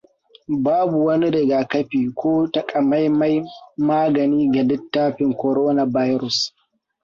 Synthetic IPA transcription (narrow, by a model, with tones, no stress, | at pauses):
baː˦bu˨wɐ˦ni˦ɾɪ˨ɡaː˨kɐ˦ɸiː˨kʷoː˦tɐ˨kʼɐ˨ma˦jma˦jmaː˦ɡɐ˨niː˦ɡɐ˨lɪ˦tːaː˦ɸɪ˨ŋkʷɔ˨ɾoː˦na˨ba˦jɾʊ˨s